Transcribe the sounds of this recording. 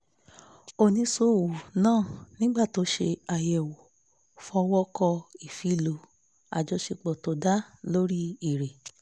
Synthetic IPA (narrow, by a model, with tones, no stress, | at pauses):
o˨nĩ˨˦so˦˨wu˨nãː˦˨nĩ˦ɡ͡ba˦˨to˨˦ʃḛ˧a˧jɛ˨wo˨ | fɔ˧wɔ˦kɔ˧i˨fi˨˦˨lo˨˦ | a̰˨˧d͡ʒɔ˧˦ʃe˧k͡pɔ˨to˨˦da˦lo˦ɾi˦i˦˨ɾe˨